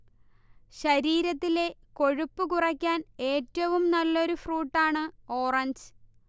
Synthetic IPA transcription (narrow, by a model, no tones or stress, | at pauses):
ɕɐɾiːɾɐt̪ːile̞ko̞ɻupːɨkurɐkʲːaːne̞ːtːɐʋumnɐlːo̞ɾufruːʈːaːɳɨo̞ːrɐɲd͡ʑɨ